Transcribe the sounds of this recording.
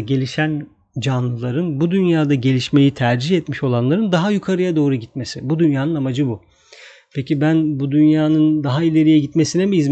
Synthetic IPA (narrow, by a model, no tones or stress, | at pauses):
ɟe̞lʲiʃæn | d͡ʒanlˠɯlˠaɾɯnbud̪ynjaːd̪aɟe̞lʲiʃme̞jit̪ʰæɾd͡ʒiçɛt̪miʃo̞lˠanlˠaɾɯnd̪aɦajukʰaɾɯjad̪o̞ːɾuɟit̪me̞sɪbud̪ynjaːnɯnamad͡ʒɯbu | pʰecibænbud̪ynjaːnɯnd̪aɦailʲe̞ɾijɛɟit̪me̞sinɛmiiz